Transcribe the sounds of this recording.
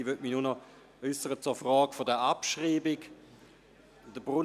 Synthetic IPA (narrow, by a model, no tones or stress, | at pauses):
vøtminunɔ | œsəʁət͡sʊɐfʁɔːɡfodəapʃʁiːbɪk | d̥əbʁun